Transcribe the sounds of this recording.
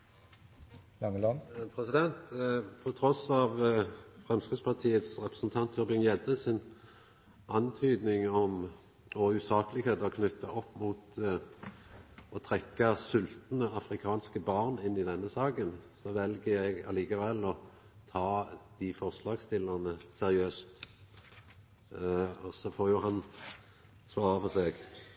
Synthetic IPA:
lɑŋəlpʰʁɛsɪd̪ɛnt̪pʰɔt̪ʰʁɔsɑʋfʁɛmskʁɪɡspʰɑʁt̪ʰiːət̪sʁɛpɾəsnt̪ʰɑnt̪ʰjʉʁbɪŋjɛd̪əsɪn | ʔɑnt̪ʰyːd̪nɪŋɔm | ɔʉːsɑːkəlɪɡheːt̪ɔkʰnʏt̪ːɑʔɔpːmuːt̪ | ɔt̪ʰʁɛkːɑsʉlt̪nəɑfɾɪkʰɑːnskəbɑʁnɪnːɪd̪ɛnːəsɑːkənsɔʋɛlɡəɛɡɑ̰liːkɑʋɛlːɔ | t̪ʰɑːd̪̥ɪfɔʁslɑːɡst̪ɪlːəʁnəsɛʁɪøːst̪ | ɔsɔfoːɾjʊɦɑn | sʋɑːʁəpɔseːɡ

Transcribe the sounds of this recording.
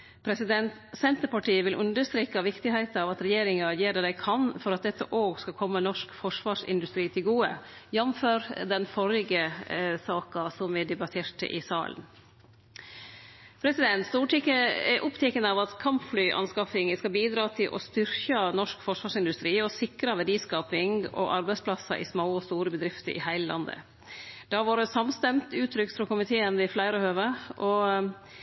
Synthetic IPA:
pʰɾɛsɪd̪ɛnt̪sɛnt̪əpɑʈiːəʋɪlʔʉ̰nd̪əɾst̪ɾeːkɑʋɪkt̪ɪhæɪt̪əɑːʋɑt̪ɾɛjeːɾɪŋɑjeːɾəd̪æɪkʰɑnfɔɾɑt̪̚d̪ɛt̪ːə̰ʔoːɡskɑkʰɔmːənɔʂkfɔʂʋɑːʂɪ̰nd̪ʉst̪ɾiːt̪ʰɪlɡuːə̰jɛnmføːɾd̪ɛnfɔɾɪɡəsɑːkɑsɔmʋɪd̪ɛbɑt̪ʰeːʈə̰ʔɪ̰sɑ̰ːlə̰n | pʰɾɛsɪd̪ɛnt̪st̪uːʈikəɛ̰ʔʊpt̪ʰɛkənɑʋɑt̪kʰɑmpflyːʔɑ̰nskɑfɪŋəskɑbiːd̪ɾɑːt̪ʰɪlʔɔ̰st̪ʏɾkɑnɔʂkfɔʂʋɑːʂɪnd̪ʉst̪ɾiːɔsɪkɾɑʋæɖiːskɑːpɪŋɔ̰ʔɑɾbæɪspʰlɑsɑ̰ʔɪ̰smoːɔst̪uːɾəbəd̪ɾɪft̪ə̰ɾʔɪ̰hæɪləlɑ̰nd̪ə̰ | d̪̥ɑʋɑːɖəsɑmst̪ɛmt̪ʉːt̪ʰːɾʏkt̪fɾɔkʊmɪt̪ʰeːənʋɪflæɪɾəhøːʋəʔɔ

